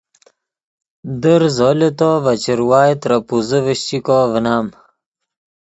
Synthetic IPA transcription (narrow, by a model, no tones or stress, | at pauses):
d̪əɾzolet̪ovɐt͡ɕiɾwaːjt̪ɾɐpuzəvəɕt͡ɕikovənaːm